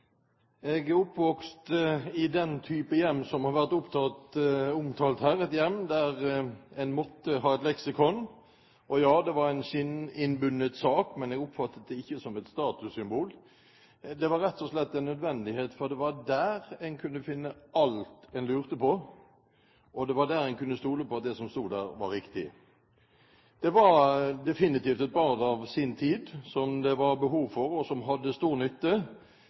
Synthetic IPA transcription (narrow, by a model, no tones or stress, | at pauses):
ɛɡʊpːʋɔkst̪ɪd̪ɛnt̪ʰyːpəjɛmːsɔmhɑɾʋæʁt̪ʊpt̪ʰɑːt̪ʊmt̪ʰɑːlt̪hæːɾɛt̪jɛmːd̪æʁɛnmɔt̪ːəɦɑːɛt̪lɛksɪkʰɔn | ʔɔjɑːd̪ɛʋɑɾɛnɕɪnɪnbʉnːət̪sɑːkmɛnɛɡʊpfɑt̪ːət̪̚d̪ɛɪçːəsɔmɛt̪st̪ɑːt̪ʉsʏmbuːl | d̪ɛʋɑɾɛt̪ːɔslɛt̪ːɛnːœd̪ʋɛnd̪ɪheːt̪fɔɾd̪ɛʋɑɾd̪æːɾɛnkʰʉnːəfɪnːəɑlt̪ɛnlʉːʁt̪əpɔ | ʔɔd̪ɛʋɑd̪æːɾɛnkʉnːəst̪uːləpɔɑt̪̚d̪ɛsɔmst̪uːd̪d̪æːʁʋɑɾɪkt̪ɪ | d̪̥ɛʋɑɾd̪ɛfɪnɪt̪iːft̪ɛt̪̚bɑɾd̪ɑʋsɪnt̪ʰiːd̪sɔmd̪ɛʋɑɾbəɦuːʋfɔɾɔsɔmɦɑd̪ːəst̪uːɾnʏt̪ːə